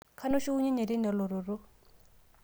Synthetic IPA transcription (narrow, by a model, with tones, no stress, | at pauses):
kʰa˦nʊ˦ʃɪ˦ʊ˦ɲɛ˦ɲɛ˨dɪ˦nɛ˨lʊ˨ɾʊ˨rʊ˦